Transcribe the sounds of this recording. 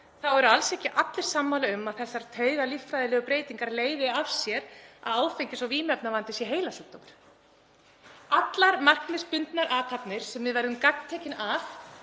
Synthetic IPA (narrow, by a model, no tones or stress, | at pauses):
θawɛɾʏalsɛhcɪʔat̪lɪɾ̥samːaːlaʏmaðθɛsːaɾ̥t̪ʰeːɥɣaliftfɾajðɪlɛːɣʏpɾeːjt̪iŋkaɾleːjvɪav̥sjɛɾa̰ðaːwfejɲcɪsaviːmɛpnavant̪ɪsjɛɦeːjlasuk̚t̪ɔmɾ̥ | at̪laɾmar̥knɪspʏnt̪naɾʔaːt̪ʰapnɪɾ̥sɛmvɪðvɛɾðʏmkak̚nt̪ʰeːcɪnaf